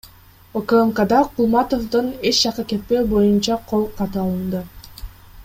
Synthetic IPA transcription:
okəmkad̪ɑqʰulˠmɑt̪o̞fd̪ɯne̞t͡ʃd͡ʒɑqɯke̞t̪̚pe̞bo̞junt͡ʃɑqʰo̞lˠqʰɑt̪ɯɑlˠɯnd̪ɯ

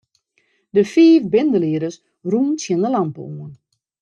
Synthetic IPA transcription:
dəfiːfbɪndəliədəs | ruːnsjɛndəlampə̰uən

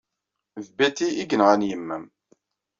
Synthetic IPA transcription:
ðbæt̪iiɡənʁænjəmːæm

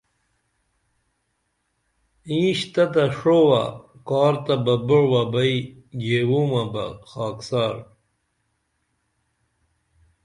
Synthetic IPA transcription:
ĩːɕt̪ɐt̪aʂowa̰kaːɾt̪abɐboɽwabɐiɡeːwuːmabɐ̰xaːksɑːɾ

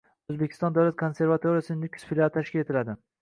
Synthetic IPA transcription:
ɵzbekʲʰɪst̪ɒnd̪awlat̪̚kʰonse̞ɾvat̪ʰoɾijasɪnɪnykʰʲsfilʲat̪ʰaʃkʲɪle̞t̪ʰɪlad̪ɪ

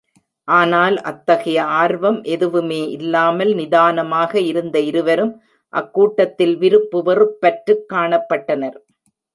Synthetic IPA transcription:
ʔaːnaːlʔɐt̪ːɐɣɐjɐaːɾʋɐmʔɛðɯʋɯmeːʔɪlːaːmɐlnɪðaːnɐmaːɣɐɪɾɯnd̪ɐɪɾɯʋɐɾɯm | ʔɐ̰kːuːʈːɐt̪ːɪlʋɪɾɯpːɯʋɐrɯpːɐʈɾɯkːaːɳɐpːɐʈːɐnɐɾ

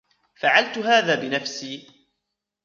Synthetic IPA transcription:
faʕalt̪ʊɦaːðaːbɪnafsiː

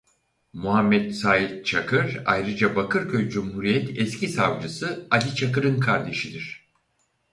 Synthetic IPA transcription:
muɦamːɛt̪saːjit̪̚t͡ʃʰakʰɯɾa̰jɾɯd͡ʒabakʰɯɾcʰøjd͡ʒumhuɾijɛt̪ʰɛscʰisavd͡ʒɯsɯalʲit͡ʃʰakɯɾɯnkʰaɾd̪e̞ʃid̪iɾ̝̥

